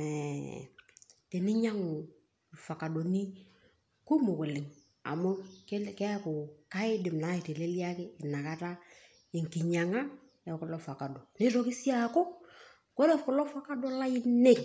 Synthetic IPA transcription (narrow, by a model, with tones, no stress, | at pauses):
ɛ˨ | te˨nɪ˦ɲa˦ŋʊ˨ | fa˨ka˨do˨ni˦ | ku˦mʊ˨kʊ˨lɪ˨ŋ | a̰˨mʊ˦kkɛ˦kʊ˨ka˦ɪ˦dɪ˨mna˨˦ɪ˨te˨le˦li˦a˦kɪ˦ɪ˨na˨ka˦ta˦ | ɪ˨ŋkɪ˨ɲa˨ŋa˦ | jɛ˨kʊ˨˦lɔ˦fa˨ka˨do˨nɪ˦ɾɔ˦kɪ˦si˦a˦˨kʊ˦ | kɔ˦lɛ˦kʊ˨lɔ˦fa˦ka˦dɔ˦la˦ɪ˦ne˦˨k